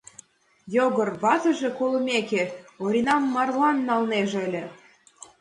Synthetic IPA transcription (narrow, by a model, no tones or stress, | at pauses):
joɣɤ̆rβɑt̪ə̆ʒĕkolɤmʲekeoɾʲinɑmːɑrlɑnːɑlneʒə̆lʲĕ